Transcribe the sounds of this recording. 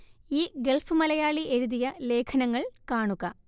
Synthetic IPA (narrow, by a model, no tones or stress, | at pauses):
iːɡe̞lfɨmɐlɐjaːɭiʔe̞ɾuðijɐle̞ːkʰɐnɐŋːɐɭkaːɳuɣɐ